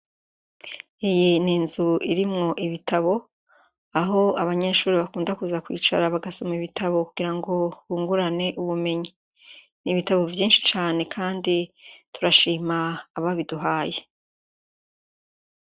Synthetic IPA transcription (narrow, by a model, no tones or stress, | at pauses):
ijiniːnzuiɾimŋo̞ʔiβitaβo̞ | aɦo̞aβaɲeʃuːɾiβakuːndakuzakwḭːt͡ʃa̰ɾaβaɡasomiβitaβo̞kuɡ̥iɾaŋɡo̞βuːŋɡuɾane̞ʔuβume̞ɲi | niβitaβo̞vjiːnʃi̥t͡ʃaːne̞kʰaːndituɾaʃiːmaːβaβiduɦaːje